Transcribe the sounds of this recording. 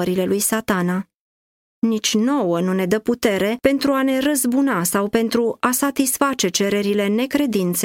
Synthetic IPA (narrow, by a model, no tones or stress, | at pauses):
əɾile̞lujsat̪ana | nit͡ʃʲno̞wənune̞d̪əput̪e̞ɾe̞pe̞nt̪ɾuane̞rəzbunasawpe̞nt̪ɾuasat̪isfat͡ʃe̞t͡ʃe̞ɾe̞ɾile̞ne̞kɾe̞d̪int̪s